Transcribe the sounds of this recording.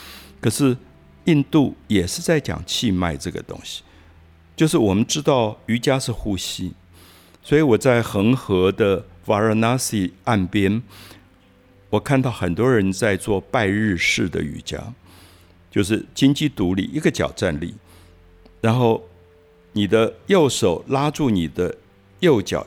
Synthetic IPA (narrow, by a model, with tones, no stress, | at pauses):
kʰɤ˨˩ʂɻ̩˥˧ | i˥˧nt̪u˥˩jɛ˨˩ʂɻ̩˥˧t͡sa˥˩ɪt͡ɕjɑ̰˨˩ŋt͡ɕʰi˥˧ma˥˧ɪʈ͡ʂɤ˥˩ɡə̰˩t̪ʊ̰˥ŋɕi̥˨˩ | t͡ɕjo˥˧ʊʂɻ̩˥˩wɔ˨˩mə˦nʈ͡ʂɻ̩˥t̪ɑ˥˩ʊy˧˥t͡ɕja˥ʂɻ̩˥˧xu˥˩ɕi˥ | swɔ˧˥i˧˥˦wɔ˨˩t͡sa˥˩ɪxə˧˥ŋxɤ˧˥d̪ə˧fa˨˥ə˥˧na˥si˨˥˩a˥˩npjɛ˥n | wɔ˨˩kʰa˥˧nt̪ɑ˥˩ʊxə˨˩nt̪wɔ˥ɻə˧˥nt͡sa˥˧ɪt͡swɔ˥˧pa˥˧ɪɻɻ̩˥˧ʂɻ̩˥˩d̪ə̰˩y̰˨˩t͡ɕja̰˥ | t͡ɕjo˥˧ʊʂ̬ɻ̩˥˩t͡ɕi˥nt͡ɕi˥˩t̪u˧˥lḭ˨˩i˧˥ɡə˧t͡ɕjɑ̰˨˩ʊʈ͡ʂa˥˧nlḭ˥˩ | ɻa˧˥nxo˥˩ʊ | ni˨˩d̪ə˦jo˥˩ʊʂo˨˩ʊla˥ʈ͡ʂu˥˩ni˨˩d̪ə˦ | jo˥˩ʊt͡ɕjɑ̰˨˩˦